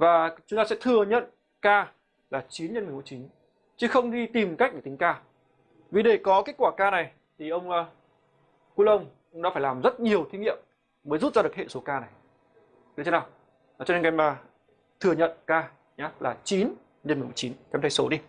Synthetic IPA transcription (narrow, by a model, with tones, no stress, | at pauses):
vaː˨˩t͡ɕʊ˨˦ŋ͡mt̪aː˧sɛ̰˧˥t̪ʰɨ˨˩əɲə̰˧˨n | kaː˧ | laː˨˩t͡ɕi˨˦nɲ˧nm˨˩mu˧˦t͡ɕi˨˦n | t͡ɕɨ˨˦xə˧wŋ͡mɗi˧t̪i˨˩mkk̚ɗəː˧˩t̪ï˨˦ŋ̟kaː˧ | vi˨˩ɗe˧˩kɔ˨˦ke˦˥t̚kwaː˧˩kaː˧na˨˩j | t̪ʰi˨˩ʔə˧wŋ͡m | ku˧lə˧wŋ͡m | nɔ̰˧˦aː˧˩jlaː˨˩mzə˦˥t̚ɲi˨˩əwt̪ʰi˧ŋḭ˧˨əmː | əː˨˦jzu˦˥t̚zaː˧ɗɨ˨˩əkhḛ˧˨nso˨˦kaː˧na˨˩j̪ | ɨ˨˦t͡ɕʰe˧˦naː˨˩wː | t͡ɕɔ˧ne˧nka˧jmaː˨˩ | t̪ʰɨ˨˩ə˩ɲə̰˧˨nkaː˧ | ɲaː˨˦laː˨˩t͡ɕi˨˦n | ɲ˧nm˨˩mu˧˩˦jt͡ɕi˨˦nkɛ˨˧˦mt̪ʰːso˨˦ɗi˧